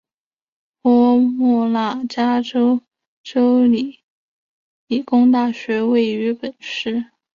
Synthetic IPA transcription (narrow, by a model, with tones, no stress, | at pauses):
pɔ˧˥mɔ˥˩la˥˩t͡ɕja˥ʈ͡ʂo˥ʊ | ʈ͡ʂo˥ʊli˨˩˦ | li˨˩kʊ˥ŋt̪a˥˩ɕɥɛ˧˥we˥˩ɪy˧˥pə˨˩˦nʂɻ̩˥˩